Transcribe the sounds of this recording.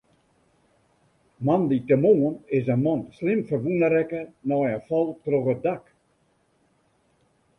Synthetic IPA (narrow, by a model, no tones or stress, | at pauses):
manditəmoːənɪsənmɔnslɪmfərʋunəɾɛkənɔjəfɔlˠtrɔɣət̚dak